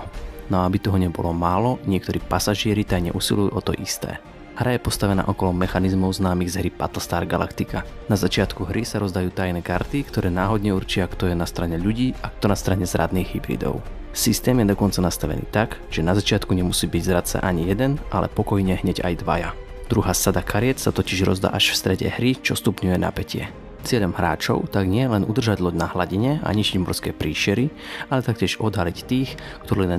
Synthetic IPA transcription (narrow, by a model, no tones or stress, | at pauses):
nɔaabit̪ɔɦɔɲɛbɔ̰lɔmaːlɔɲɪɛk̚t̪ɔɾiːpasaʒɪɛɾit̪ajɲɛ̰ʔusilujṵʔɔt̪ɔ̰ʔist̪ɛ̰ː | hɾʔajɛpɔst̪aʋɛna̰ːʔɔkɔlɔmɛxanizmɔʊznaːmiɣzɦɾipa̰t̪l̩st̪aːɾɡala̰kt̪ikanazat͡ʃɪat̪kuɦɾisaɾɔzd̪ajuːt̪ajnɛːkaɾt̪ikt̪ɔɾɛːnaːɦɔd̪ɲɛuɾt͡ʃɪakt̪ɔjɛnast̪ɾaɲɛʎuɟiːakt̪ɔnast̪ɾaɲɛzɾʔa̰d̪niːɣɦibɾḭd̪ɔ̰ʊ | sist̪ɛːmjɛd̪ɔkɔnt͡sanast̪aʋɛ̰nḭːt̪aɡʒ̥ɛnazat͡ʃɪat̪kuɲɛmusiːbiɟzɾat͡sɛ̰ʔaɲijɛd̪ɛnʔalɛ̰pɔkɔjɲɛɦɲɛɟa̰jd̪ʋa̰ja̰ | d̪̥ɾuɦaːsad̪akʰaɾɪɛt͡ssat̪ɔciʒɾɔ̰zd̪a̰ːʔaʃfst̪ɾɛɟɛ̰ɦɾit͡ʃɔst̪upɲujɛna̰pɛcɪɛ̰ | t͡sɪɛʎɔmɦɾa̰ːt͡ʃɔ̰ʊt̪aɡɲɪɛlɛnʔud̪r̩ʒaɟlɔɟnaɦlaɟiɲɛa̰ɲit͡ʃiɟmɔrskɛ̰ːpɾiːʃɪɛɾi | alɛt̪akcɪɛʒɔd̪ɦalict̪iːx | kt̪ɔɾin